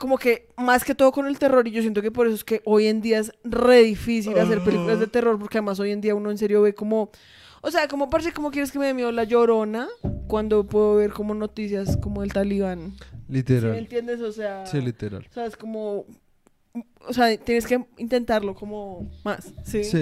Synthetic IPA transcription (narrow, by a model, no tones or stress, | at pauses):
ko̞mo̞ke̞ | maske̞t̪o̞ðo̞ko̞ne̞lt̪e̞ro̞ɾiʝos̬je̞nt̪o̞ke̞p̬o̞ɾe̞soeske̞ʔo̞je̞nd̪iae̞sre̞ðifis̬ilas̬e̞ɾpelikulazd̪e̞t̪ero̞ɾp̬o̞ɾkeaðe̞mas̬o̞je̞nd̪iauno̞ens̬e̞ɾjo̞βe̞ko̞mo̞ | ose̞akomopaɾesiko̞mo̞kje̞ɾeskemeβemjeðolaʝo̞ɾo̞nakwand̪o̞pweðoβeɾko̞mo̞no̞t̪isjasko̞mo̞elt̪aliβanlit̪eɾaent̪jend̪esose̞asilit̪eɾa̰lseaesko̞mo̞ | oseat̪je̞neske̞int̪e̞nt̪aɾlo̞ko̞momasːisi